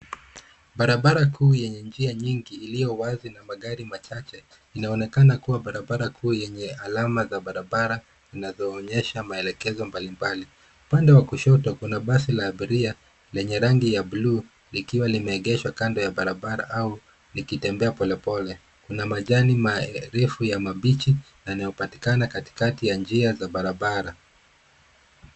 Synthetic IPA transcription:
ɓaɾaɓaɾakʰuːjɛɲɛnd͡ʒiaɲiŋɡiːlijɔwazinamaɠaɾimat͡ʃat͡ʃɛ | inaɔnɛkanakuwaɓaɾaɓaɾakʰuːjɛɲɛalamazaɓaɾaɓaɾa | zinazɔːɲɛʃamaɛlɛkɛzɔmbalimbali | upandɛwakuʃɔtɔkunaɓas̬ilaːɓiɾia | lɛɲɛɾaŋɡijabluː | likiwalimɛːɠɛʃwakandɔjaɓaɾaɓaɾa̰ʔau | nikitɛmbɛapɔlɛpɔlɛ | kunamaʄanimaɛɾɛfujamaɓit͡ʃinajnajɔpati̥kanakati̥katijand͡ʒiazaɓaɾaɓaɾa

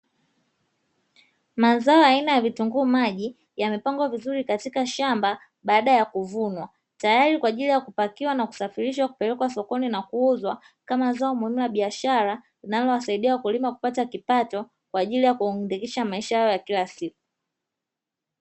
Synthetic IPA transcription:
mazaɔjainajavituŋɡuːmaʄi | jamɛpaŋɡwavizuɾikatikaʃamba | ɓaːɗajakuvunwa | tajaɾikwaːʄilijakupakiwanaku̥safiɾiʃwaku̥pɛlɛkwasɔkɔninakuuzwa | kamazaɔmuhimilaɓiaʃaɾa | linalɔwasaiɗiakulimaku̥patakipatɔ | kwaːʄilijakuindikiʃamaiʃahajɔjakilasiku̥

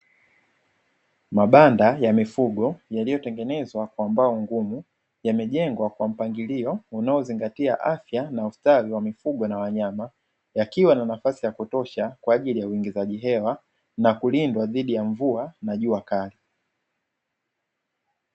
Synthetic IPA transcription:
maɓandajamifuɠɔjalijɔtɛŋɡɛnɛzwakwambaɔŋɡumu | jamɛʄɛŋɡwakwam̩paŋɡiliɔunaɔziŋɡatiaʔafjanaustaɾiwamifuɠɔnawaɲama | jakiwananafasijakutɔʃakwaːʄilijauwiŋɡizaʄiɦɛwa | nakulindwaðiɗijaɱvuanaʄuakali

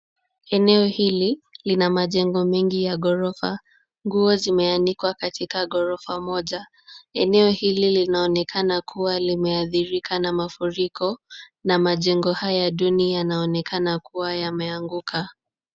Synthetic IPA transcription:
ɛnɛɔhililinamaʄɛŋɡɔmɛŋɡijaɠɔɾɔfa̰ | ŋɡuɔzimɛanikwakatʰikaɠɔɾɔfamɔʄa | ɛnɛɔhililinaɔnɛkʰanakʰuwalimɛaθiɾikʰanamafuɾikʰɔnamaʄɛŋɡɔhajaɗunianaɔnɛkʰanakuwajamɛaŋɡukʰa

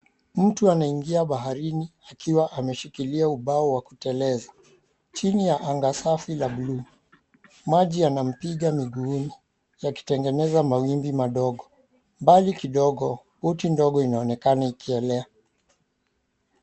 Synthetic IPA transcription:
m̩tuanaiŋɡiaɓaɦaɾiniakʰiwaʔamɛʃikiliauɓaɔwakutɛlɛza | t͡ʃinijaʔaŋɡasafilaɓlu | maʄianam̩piɠamiɡuːni | jaki̥tɛŋɡɛnɛzamawimbimaɗɔɠɔ | mbalikiɗɔɠɔ | hɔtindɔɠɔinaɔnɛkanaikʰiɛlɛa

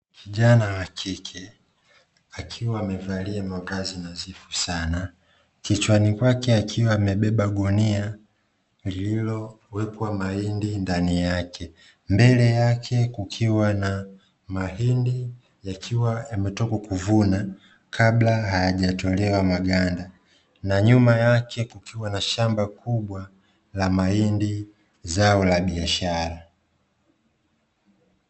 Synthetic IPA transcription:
kiʄanawakʰikʰɛ | akʰiwaːmɛvaliamavazinazifusana | kit͡ʃwanikwakɛakʰiwaːmɛɓɛɓaɡɔnia | lililɔ | wɛpwamahindindanijakʰɛ | mbɛlɛjakʰɛkukʰiwana | maɦindi | jakʰiwajamɛtɔkɔkuvuna | kʰablahajaʄatɔlɛwamaɡanda | naɲumajakʰɛkukiwanaʃambakuɓwa | lamaindi | zaɔlaɓiaʃaɾa

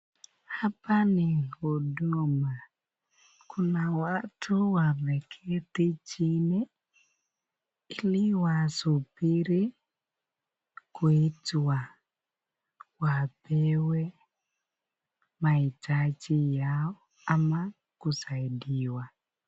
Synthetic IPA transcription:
hapanioduma | kunawatʰuwavɛkʰɛtit͡ʃinɛ | iliwasupiɾi | kwitwa | wapɛwɛ | maitat͡ʃijaɔ | ama | kusaidiwa

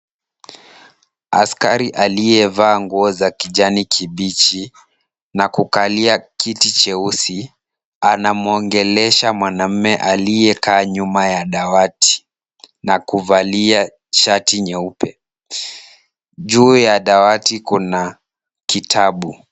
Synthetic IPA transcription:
a̰skaɾiʔalijɛvaːŋɡuɔzakiʄanikʰiɓit͡ʃi | nakukaliakitit͡ʃɛusi | anamuɔŋɡɛlɛʃamwanam̩mɛʔalijɛkaːɲumajaɗawati̥ | nakuvalia | t͡ʃatiɲɛupɛ | ʄuːjaɗawatikuna | kitʰaɓu

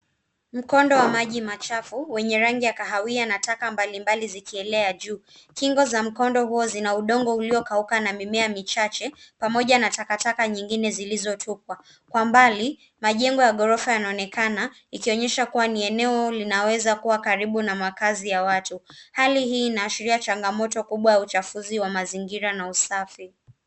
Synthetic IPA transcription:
m̩kɔndɔwamaʄimat͡ʃafuwɛɲɛɾaŋɡiakaɦawianatakambalimbalizikiɛlɛaʄuː | kiŋɡɔzam̩kɔndɔhuɔzinauɗɔŋɡɔuliɔkaukanamimɛamit͡ʃat͡ʃɛpamɔʄanatakatakaɲiŋɡinɛzilizɔtʰukwa | kwambali | maʄɛŋɡɔjaɠɔɾɔfajanaɔnɛkana | ikiɔɲɛʃakuwaniɛnɛɔlinawɛzakuwakaɾiɓunamakazijawatuhaliɦiːnaːʃiɾiat͡ʃaŋɡamɔtɔkuɓwajaut͡ʃafuziwamaziŋɡiɾanausafi

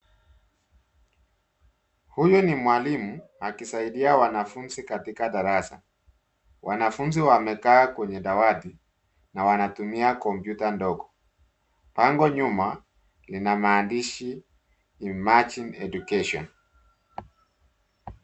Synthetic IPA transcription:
hujɔnimwalimuakisaiɗiawanafunzikatikaɗaɾasa̰ | wʔanafunziwamɛkaːkwɛɲɛɗawati | nawanatumiakɔmpjutandɔɡɔ | paŋɡɔɲuma | linamaːndiʃiː | mat͡ʃinɛɗukɛʃɔ̰n

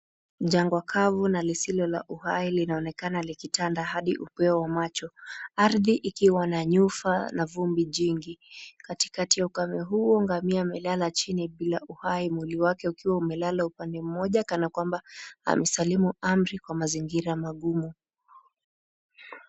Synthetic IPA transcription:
ʄaŋɡwakʰavunalisilɔla̰ʔuhailinaɔnɛkanalikitandahaɗiʔupɛɔwamat͡ʃɔaɾðiʔikiwanaɲufanavumbiʄiŋɡikati̥katijaukamɛɦuɔŋɡamiaːmɛlalat͡ʃiniɓilaʔuhaimwiliwakɛukiwaumɛlalaupandɛm̩mɔʄakanakwambaa̰mɛsalimuam̩ɾikwamaziŋɡiɾamaɠumu

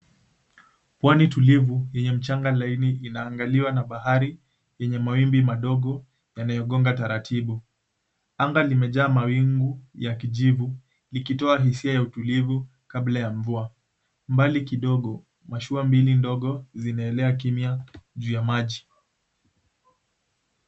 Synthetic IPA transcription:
pwanitulivujɛɲɛm̩t͡ʃaŋɡalainiːnaːŋɡaliwanaɓaɦaɾi | jɛɲɛmawimbimaɗɔɠɔ | janajɔɠɔŋɡataɾatʰiɓu | aŋɡalimɛʄaːmawiŋɡujakiʄivu | likitɔaɦisiajautulivu | kablajaɱvua | mbalikiɗɔɠɔ | maʃuambilindɔɠɔzinaɛlɛak̬imiaʄuːjamaʄi

